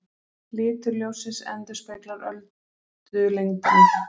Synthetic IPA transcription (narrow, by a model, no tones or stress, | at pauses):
lɪːt̪ʏɾljoːwsɪsɛ̰nt̪ʏ̥speːk̪laɾœlt̪ | t̪ʏlejŋkɪn